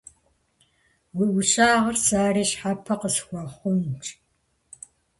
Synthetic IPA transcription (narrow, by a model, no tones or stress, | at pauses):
wiʔʊɕʼaːʁɐrsaːɾiːɕħapʰɐqəsxʷɔχʷʊnʈ͡ʂʼ